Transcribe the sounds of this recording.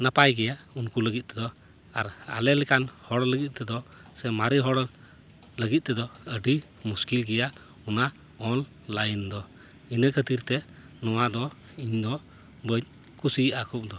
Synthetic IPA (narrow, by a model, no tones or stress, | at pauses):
napajɡɛjaunkuləɡit̪̚ˀt̪ɛd̪ɔ | aɾa̰lɛlɛkanhɔɽləɡit̪̚ˀt̪ɛd̪ɔsɛmaɾiɦɔɽ | ləɡit̪̚t̪ɛd̪ɔəɖi | muskilɡɛja | una | ɔl | lajnd̪ɔ | inəkʰət̪iɾt̪ɛ | nɔwad̪ɔ | iɲd̪ɔ | bəɲ | kusiakʰup̚d̪ɔ